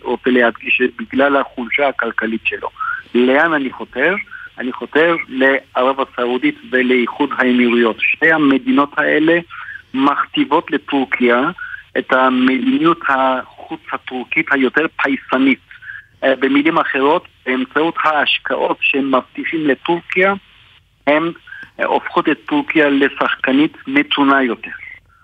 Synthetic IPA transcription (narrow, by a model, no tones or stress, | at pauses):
ʁot͡seleɦad̪ɡiʃet̚biɡlalhaχulʃahakalkalitʃelo̞̰leananiχoteʁaniχo̞t̪e̞ʁle̞aʁavhasaudit̪veleiχud̪ɦaemiʁujo̞tʃtejhame̞d̪ino̞thaʔe̞le̞maχt̪ivo̞tle̞t̪uʁkʰiaʔet̪hamedinijuthaχut͡shatuʁkithajo̞teʁpʰajsanit | bemilimaχe̞ʁo̞tbeːmt͡sauthaːʃkʰaʔo̞tʃemaft̪iχimle̞tuʁkija | he̞mo̰fχotet̪ːuʁkijale̞saχkanitme̞t̪ʰunajo̞te̞ʁ